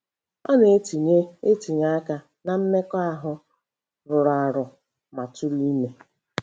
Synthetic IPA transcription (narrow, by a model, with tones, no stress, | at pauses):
ɔ˦ne˨˦ti˨ɲe˦e˦ti˨ɲa˦a˦ka˦ | na˨m̩˦me˦kɔ˦a˦ɦʊ˦ | ɾʊ˨ɾa˨ɾʊ˨ | ma˨tʊ˦li˦me˨